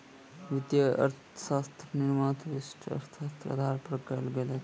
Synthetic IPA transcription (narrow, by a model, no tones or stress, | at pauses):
ʋit̪jəə̰ɾt̪ʰ | sast̪ʰniɾmãt̪ʋisʈʰə̰ɾt̪ʰat̪ɐ̰d̪ʱaɾpɾəkəlɡelɛt͡ʃʰ